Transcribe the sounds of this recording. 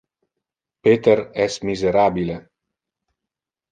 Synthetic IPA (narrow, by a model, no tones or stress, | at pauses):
pet̪eɾɛsmizeɾabile